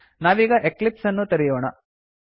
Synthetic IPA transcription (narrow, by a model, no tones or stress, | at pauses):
naːʋiːɡɐʔeklipsɐnːut̪ɐɾijoːɳɐ